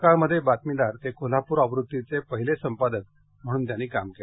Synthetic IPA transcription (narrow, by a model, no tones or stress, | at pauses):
kaɭməd̪ʱːjebat̪̚milaɾt̪ekʰol̤apuːɾəʋɾut̪ːit͡sepəɦilesəmpad̪ət̪ | m̤əɽ̃uːnt̪janːiːkamke